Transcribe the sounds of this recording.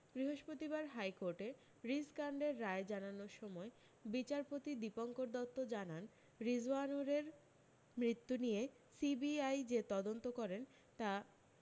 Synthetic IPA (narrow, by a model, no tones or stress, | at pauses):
b̥ɾiɦoʃpɾot̪ibaɾɦajkoɾʈe | ɾiskaɳɖeɾːaed͡ʑananoɾʃɔmɔe | bit͡ɕaɾpot̪id̪ipoŋkoɾd̪ɔt̪ːod͡ʑanan | ɾid͡ʑuanoɾeɾ | mɾit̪ːunije | sibiajd͡ʑet̪ɔd̪ont̪okɔɾen | t̪a